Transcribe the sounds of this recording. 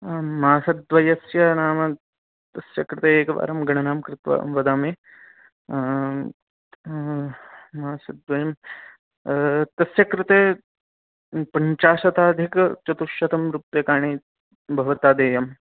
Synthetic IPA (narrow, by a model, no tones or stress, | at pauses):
maːsɐd̪ʋɐjɐsjɐnaːmɐ | t̪ɐsjɐkɾɪt̪eːeːkɐʋa̰ːɾɐmɡɐɳɐnaːmkɾɪt̪ʋɐ̰mʋɐd̪aːmeː | maːsɐd̪ʋɐjɐm | t̪ɐsjɐkɾɪt̪eː | pɐɲt͡ʃaːʃɐt̪aːd̪ʱikt͡ʃɐt̪uʃjɐt̪ɐmɾupjɐkaːɳ̃iː | bʱɐʋɐt̪aːd̪eːjɐm